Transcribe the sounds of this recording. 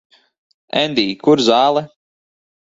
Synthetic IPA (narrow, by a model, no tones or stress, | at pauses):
ɛ̰nd̪iːkuɾzaːlˠɛ